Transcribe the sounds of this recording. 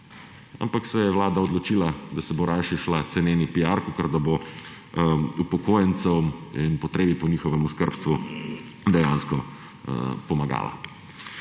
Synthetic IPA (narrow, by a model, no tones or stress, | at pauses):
a̰mpaksɛjɛʋlaːd̪aɔd̪lɔt͡ʃiːlad̪asɛboɾʔajʃiʃlat̪sɛneːnipiaːɾkukəɾd̪abo | upɔkoːjɛnt̪sɛwinpɔt̪ɾeːbipɔnixɔʋɛmuskəɾpst̪ʋu | d̪ɛjanskɔ | pɔmaɡa̰ːla̰